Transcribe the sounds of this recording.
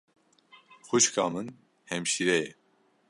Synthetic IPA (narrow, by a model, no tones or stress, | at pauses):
xuʃkʰɑːmɨn | hɛmʃiɾɛjɛ